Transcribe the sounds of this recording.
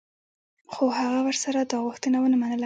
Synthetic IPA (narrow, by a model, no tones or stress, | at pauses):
xohaɣawəɾsaɾad̪ɑɣʊxt̪ənawənamanəla